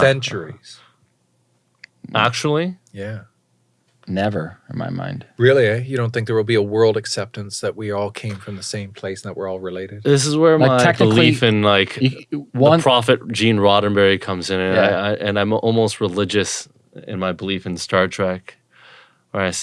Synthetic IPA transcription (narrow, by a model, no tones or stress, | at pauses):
sɛ̃nt͡ʃə˞iz̥ | æk̚t͡ʃul̩ˠi | jæ | nɛvə˞ɨ̃nma̰ɪmã̰ɪ̃nd̥ɹɪlˠiejɨɾõʊ̃nθɪ̃ŋk̚ðə˞wəlˠbiəwɜ˞lˠdɨksɛp̚tɨ̃nsðɨʔ̚wiɔlˠkʰẽɪ̃ɱfɹʌ̃mðəsẽɪ̃mpʰl̥eɪs̩ðəʔ̚wə˞ɔlˠɹɨleɪɾɪd̥ðɪs̬ɨzwə˞maɪtʰɛk̚bnəllifɨ̃nlaɪkɨwð̃pʰɹ̥ɑfɨt̚d̥ʒ̥ĩnɹɑɾn̩bɛɹikʰʌ̃mzɨ̃nɨ̃naɪaɪʔɨ̃nãɪ̃mɔ̰lˠmoʊst̚ɹəlɪd͡ʒɨs | ɪ̰̃nmaɪbəlifɨ̃n̩stɑɹtʰɹ̥æk | wə˞aɪs